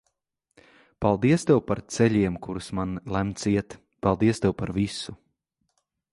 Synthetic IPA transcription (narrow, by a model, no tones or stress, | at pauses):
palˠd̪iɛst̪ɛwpaɾt̪sɛʎʲiɛmkuɾusmanlˠæmt̪siɛt̪ | palˠd̪iɛst̪ewpaɾvisu